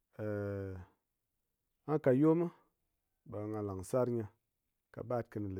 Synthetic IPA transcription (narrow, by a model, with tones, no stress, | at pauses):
ə˨ | a˦ka˨jo˦mə˦ | ɓa˨ŋa˨la˨ŋ˨sa˦ɾɲa˧ | ka̰˨ɓa˦˨t̚kə˧nə˨lə˨